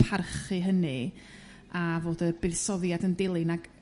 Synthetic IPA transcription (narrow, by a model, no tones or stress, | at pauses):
pʰarχɨɦənɨ | avoːdəbɨsɔðjadəndɪlˠɨnaɡ̥